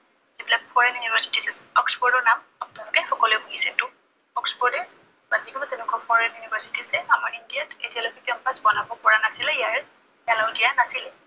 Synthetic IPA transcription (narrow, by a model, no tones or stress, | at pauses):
ebilak̚fʰɔɹɛnjunibʱɛɹsi̥tisɛsɛɔksbɔɹdɔɹnam | ap̚nalʊkɛxɔkɔlɛbuɡisɛtʊ | ɔksbɔɹdɛɹ | bazdikɔbatɛnɛkɔfɔɹɛnjunibɛɹsitisɛamaɹindiatetialokɛkɔmpasbɔnabɔpɔɹanasilɛijaɹ | alaʊdijanasilɛ